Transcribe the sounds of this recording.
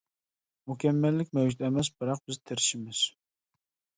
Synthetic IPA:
mukʲʰɛmːɛlːɪkʲmæwd͡ʒut̪ɛmɛs̬bɨɾɑq̚bɪzt̪ʰɪɾɪʃɪmɪz̥

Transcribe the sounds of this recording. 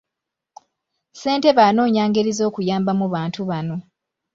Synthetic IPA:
se̞ːnte̞βaːno̞ːɲaːŋɡeɾizo̞ːkujaːmbamuβaːntʰuβano̞

